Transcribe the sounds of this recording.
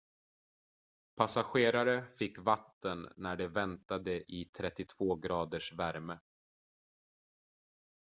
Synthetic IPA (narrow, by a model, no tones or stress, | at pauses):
pʰasaɧeːɾaɾəfɪkːvat̪ːənːæɖɛvɛnt̪ad̪əʔɪt̪ʰɾɛt̪ːɪt̪ʰv̥oːɡɾɑːd̪əʂvæɾmə